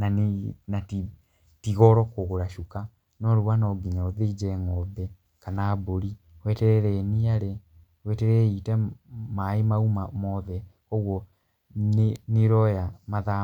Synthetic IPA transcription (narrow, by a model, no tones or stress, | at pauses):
nanati | tiɣɔɾɔkoɣoɾaʃuka | nɔɾuwanɔɡiɲaoðed͡ʒɛŋɔbɛ | kanaboɾi | wɛtɛɾɛɾɛniaɾe | wɛtɛɾɛitɛmaemaumamɔðɛ | ɔɣwɔ | nneɾɔjamaða